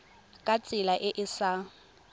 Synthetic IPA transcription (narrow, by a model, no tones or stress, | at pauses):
kʼat͡sʼɪlaʔɪʔɪsa